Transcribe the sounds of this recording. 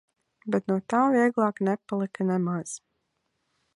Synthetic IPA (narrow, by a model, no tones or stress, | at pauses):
bɛt̪nuɔt̪aːviɛɡlˠɑːknɛpalˠikanɛmaz̥